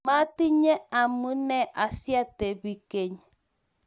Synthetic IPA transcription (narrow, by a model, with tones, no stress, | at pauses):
ma˦ti˦ɲɛ˦a˨mu˦nɛ˦ʔa˨sja˦tɛ˨bi˦ke˦ɲ